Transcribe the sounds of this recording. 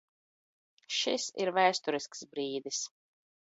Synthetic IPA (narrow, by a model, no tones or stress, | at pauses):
ʃisḭɾvæːst̪ɔɾisksbɾiːd̪is